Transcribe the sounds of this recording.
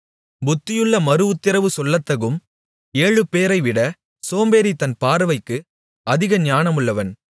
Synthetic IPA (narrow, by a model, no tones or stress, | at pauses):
bʊt̪ːɪjɯɭːɐmɐɾɯʋɯt̪ːɪɾɐʋɯsɔlːɐt̪ːɐɣɯm | eːɻɯpeːɾɐɪʋɪɽɐ | soːmbeːɾit̪ɐnpaːɾɐʋɐɪkːɯ | ɐðɪɣɐɲaːnɐmɯɭːɐʋɐn